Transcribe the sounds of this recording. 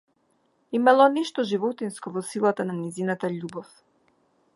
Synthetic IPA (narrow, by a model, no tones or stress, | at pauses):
imalˠɔnɛʃt̪ɔʒivɔt̪inskɔvɔsilˠat̪ananɛzinat̪aʎubɔf